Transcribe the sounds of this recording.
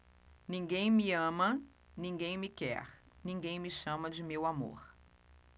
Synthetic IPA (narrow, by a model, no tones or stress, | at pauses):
nĩŋɡẽj̃mɪɐ̃mɐ | nĩŋɡẽj̃mɪkɛ̰ɾ | nĩŋɡẽj̃mɪʃɐ̃mɐd͡ʒɪmewamo̰ɾ